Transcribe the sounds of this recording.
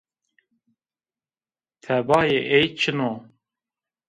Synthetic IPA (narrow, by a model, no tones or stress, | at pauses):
t̪ʰɛbɑːjeʔejt͡ʃʰɨnoː